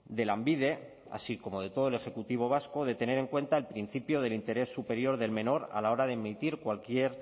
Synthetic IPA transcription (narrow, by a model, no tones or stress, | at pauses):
d̪e̞lambið̞e̞ | a̰siko̞mo̞ð̞e̞t̪o̞ð̞oele̞xe̞kut̪iβ̞o̞β̞asko̞ðe̞t̪e̞ne̞ɾe̞ŋkwe̞nt̪ae̞lpɾin̟θipjoð̞e̞lint̪e̞ɾe̞sːupe̞ɾjo̞ɾðe̞lmẽ̞no̞ɾa̰lao̞ɾaðemit̪iɾkwalkje̞ɾ